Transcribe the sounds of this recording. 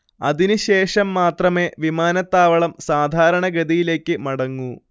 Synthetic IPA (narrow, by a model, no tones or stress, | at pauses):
ɐ̰ðinɨɕe̞ːʂɐmːaːt̪rɐme̞ːʋimaːnɐt̪ːaːʋɐɭɐmsaːd̪ʱaːɾɐɳɐɡɐd̪ijile̞ːkʲːɨmɐɽɐŋːu